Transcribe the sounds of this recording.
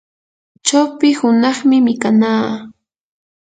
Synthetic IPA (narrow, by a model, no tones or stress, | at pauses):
t͡ʃawpɪhʊnɑχmɪmɪkanaː